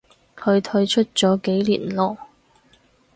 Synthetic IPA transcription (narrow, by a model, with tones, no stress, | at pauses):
kʰɵ˨˧ɥt̪ʰɵ˧ɥt͡ʃʰɵ˥t̚t͡sɔː˨˥ke˨˥jlḭː˨˩nlɔː˨˩